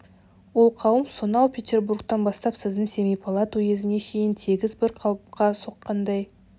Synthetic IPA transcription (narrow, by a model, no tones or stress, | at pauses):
wo̞lˠqʰɑwəmsonɑwpʲʰet̪ʲe̞rburkt̪ɑnbɑst̪ɑpsɪzd̪ɪŋse̞mijpʰɑlˠɑt̪uje̞zɪne̞kʰe̞jɪnt̪ʰe̞ɡʲɪzbɪɾqʰɑlˠp̚qɑso̞qːɑnd̪ɑj